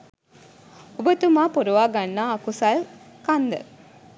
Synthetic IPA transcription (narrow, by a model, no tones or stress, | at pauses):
obət̪umaːpoɾuʋaːɡanːaːkusal | kand̪ə̰